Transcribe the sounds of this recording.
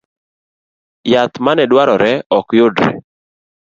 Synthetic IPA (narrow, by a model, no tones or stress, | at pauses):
jat̪manɛdwaɾɔɾɛɔkjʊdɾɛ̰